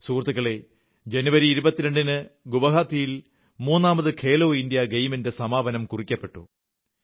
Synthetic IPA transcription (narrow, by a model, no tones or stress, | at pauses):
suːrt̪ːuɣɐɭe̞ | d͡ʑe̞nuʋɐɾiːɾubɐt̪ːiɾe̞ɳɖinɨɡuʋɐɦaːt̪ʰːijil | muːnːaːmɐðɨkʰe̞ːlo̞ːindijɐɡejminde̞sɐmaːbɐnɐmkurikʲːɐpːe̞ʈːṵ